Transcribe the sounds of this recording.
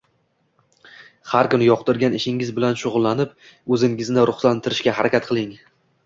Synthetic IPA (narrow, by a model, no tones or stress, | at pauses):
haɾkʊnɪjɒqd̪ɪɾɡʲanɪʃɪŋɪzbɪlanʃʊʁʊlˠːanɪp̚ | ɵzɪŋɪznɪɾʔʊχsant̪ʰɪɾɪʃkʲahaɾakʲat̪̚qʰɨlˠɪŋ